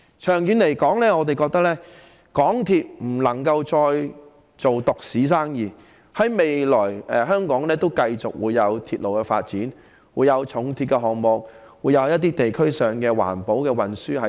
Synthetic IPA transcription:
t͡ʃʰœː˨˩ŋjyː˨˧nle˨˩jkɔː˨˥ŋlɛː˥ŋɔː˨˧t̪e˨jkɔː˧k̚t̪ɐ˥k̚lɛː˥ | kɔː˨˥ŋt̪ʰiː˧t̚m̩˨˩lɐ˨˩ŋkɐ˧wt͡sɔː˧j | t͡so˨wt̪ʊ˨k̚siː˨˥s̬aː˥ŋjiː˨˩ | hɐ˨˥jme˨jlɔː˨˩jɛ˨ɦœː˥ŋkɔː˨˥ŋlɛː˥t̪o˥wkɐ˧jt͡sʊ˨k̚wuː˨˧jːɐ˨˧wt̪ʰiː˧t̚lo˨wkɛː˧fa̰ː˧t̚t͡siː˨˥n | wuː˨˧jɐ˨˧wt͡ʃʰʊ˨˥ŋt̪ʰiː˧t̚kɛ˧ɦɔː˨˩k̚mɔ˨k̚ | wuː˨˧jɐ˨˧wjɐ˥t̚t̪iː˥t̪e˨jkʰɵ˥ɥsœː˨ŋkɛː˧wa̰ː˨˩npo˨˥wkɛː˧wɐ˨nsyː˥hɐ˨

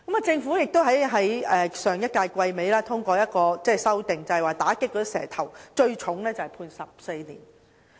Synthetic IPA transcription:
kɐ˨˥maː˨˧t͡sɪ˧ŋfuː˨˥jɪ˨k̚t̪o˥wɦɐ˨˥jɦɐ˨˥jɛː˨˩sœː˨˩ŋjɐ˥t̚kaː˧jkʷwɐ˧jme˨˥jlaː˥t̪ʰʊ˥ŋkʷɔː˧jɐ˥t̚kɔː˧t͡sɛː˥˧sɐ˥wt̪ɪ˨ŋt͡sɐ˨hɛ˨˩waː˨˩t̪aː˨˥kɪ˥kːɔː˧˥i˥sɛ̰ː˨˩t̪ʰɐ˨˩wt͡ʃɵ˧ɥt͡ʃʰʊ˨˥ŋlɛː˥t͡sɐ˨hɐ˨jpʰuː˧nsɐ˨p̚se˧jniː˨˩n

